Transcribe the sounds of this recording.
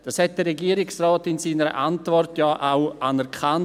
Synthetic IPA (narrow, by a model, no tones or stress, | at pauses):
d̥ɑːshɛt̚d̥əːɛɡiːəɾɪksraːtɪnsiːnəɾə̰ʔantvɔrtjaːʔaʊanɛɾkʰan